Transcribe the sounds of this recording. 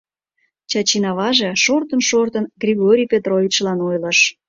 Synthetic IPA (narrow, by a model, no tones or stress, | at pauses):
t͡ɕɑt͡ɕinɑβɑʒeʃort̪ənʃort̪ənɡrʲiɣoɾʲijpʲet̪rovʲit͡ɕlɑnojləʃ